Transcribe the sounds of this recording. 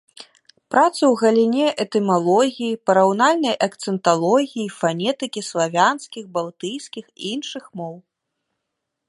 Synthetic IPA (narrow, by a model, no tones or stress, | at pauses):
pɾat̪sɐwɣɐlʲinʲɛʔɛt̪ɛmalˠɔɣʲijipɐɾawnalʲnɐjʔɐkt̪sɛnt̪alˠɔɣʲijifanʲɛt̪ɨkʲislˠavʲanskʲixbalˠt̪ɨjskʲixḭinʂɨxmɔw